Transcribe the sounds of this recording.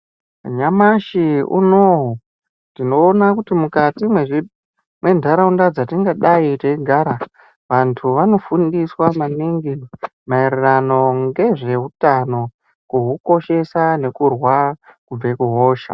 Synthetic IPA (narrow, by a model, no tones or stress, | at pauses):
ɲamaʃiṵnoɦo | tino̞ːnakutimukatimweʐi | mwe̞ndʱaɾaundad͡zatiŋɡaɗaiteiɡʱaɾa | ʋantʰuʋano̞fundiswamaniŋɡimairirano̞ŋɡe̞ʐe̞ɦutano̞ | kuɦuko̞ʃe̞sane̞kurwakub͡ve̞kuɦo̞ːʃa̰